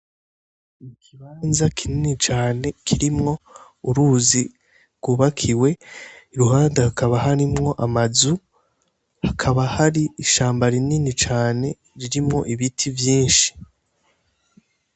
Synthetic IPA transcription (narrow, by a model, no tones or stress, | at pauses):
mukiβaːnzakʰininit͡ʃaːne̞kʰiɾimŋo̞ | uɾuzi | ɾɡ̥uːβakʰiwe̞iɾuɦaːndehakaβaɦaɾimŋo̞ʔamazu | hakʰaβahaɾiːʃaːmbaɾininit͡ʃaːne̞ | ɾiɾimŋo̞̰ʔiβitʰivjiːnʃi̥